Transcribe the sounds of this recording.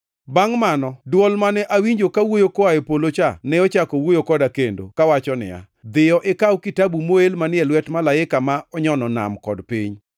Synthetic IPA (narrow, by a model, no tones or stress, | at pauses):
baŋmanɔdwɔlmanɛʔawiɲd͡ʒokawojokoaepolot͡ʃanɛɔt͡ʃakɔwojokɔdakendo̰kawat͡ʃɔnɪ̰ja̰ | d̪ɪjɔʔɪkawkitabumoelmanɪɛlwɛtmalaɪkamaʔɔɲɔnɔna̰mkɔdpiɲ